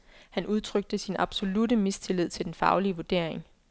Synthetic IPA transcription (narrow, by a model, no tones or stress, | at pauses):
hænʔuð̞ˠt͡sʰʁœɡ̥̚d̥əsinɑ̈b̥so̝ludəmist͡sʰe̝lið̞̰ˠt͡sʰe̝ld̥enfɑ̈ʊliəʋuɐd̥e̝ɐ̰eŋ